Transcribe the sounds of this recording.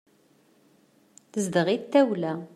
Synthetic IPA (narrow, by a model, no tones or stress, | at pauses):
θəzd̪əʁit̪ːæwlæ